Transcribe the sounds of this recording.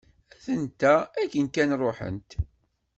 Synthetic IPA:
æθənt̪æækːənkænrˤoħə̰nt̪

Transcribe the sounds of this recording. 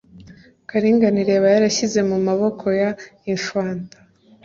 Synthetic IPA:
kaɾiːŋɡaniɾe̞βajaɾaçize̞mumaβo̞kʰo̞jaiɱfwaːntḁ

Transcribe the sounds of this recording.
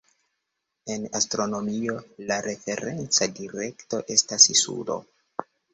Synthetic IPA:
e̞nastɾo̞no̞mio̞laɾe̞fe̞ɾe̞nt͡sadiɾe̞kto̞ʔe̞stasisṵlo̰

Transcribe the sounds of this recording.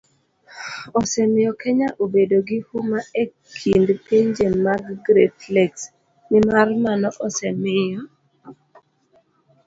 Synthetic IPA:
ɔsɛmɪjɔkɛɲaʔobedoɡɪhumaekʰindpeɲd͡ʒemːaɡɡɾetlɛks | nɪmarmanɔʔɔsɛmɪjɔ

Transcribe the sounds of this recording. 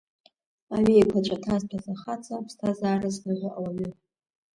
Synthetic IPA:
aɥejkʷʰat͡ʃʷʼatʰazpʰazaχat͡sʰʼapʰstʰazaːrɨzrɨʁʲʷaʔawaɥʏ

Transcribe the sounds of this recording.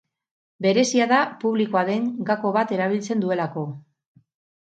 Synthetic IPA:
be̞ɾe̞siaðapuβlikoaðe̞ŋɡako̞βat̪e̞ɾaβ̞ilt͡se̞nd̪ue̞lako̞

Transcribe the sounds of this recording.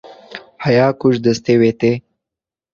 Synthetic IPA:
hajɑːkuʃd̪əst̪ewet̪e

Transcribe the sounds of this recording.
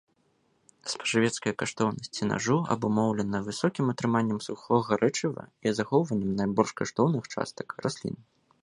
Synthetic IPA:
spɐ̥ʐavʲɛt̪skɐjɐkaʂt̪ɔwnɐsʲt͡sʲina̰ʐuɐ̰bumɔwlʲɛnɐvɨsɔkʲimɐt̪ɾɨmanʲːɐmsuxɔɣɐɾʔɛt͡ʂɨvɐ̰izaxɔwvɐnʲːɛmnajbɔlʲʂkaʂt̪ɔwnɨxt͡ʂa̰st̪ɐ̥krasʲlʲḭn

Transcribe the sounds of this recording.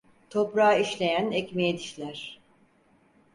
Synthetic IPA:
t̪ʰopɾaːiʃlʲe̞jænɛcmejed̪iʃlʲæɾ̥

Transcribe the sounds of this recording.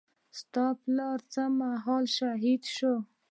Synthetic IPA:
st̪ɑplaɾt͡samaɦɑlʃaɦid̪ʃo

